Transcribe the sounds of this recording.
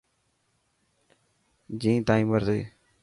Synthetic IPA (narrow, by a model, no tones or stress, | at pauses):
d͡ʒĩːt̪aːĩːməɾt̪e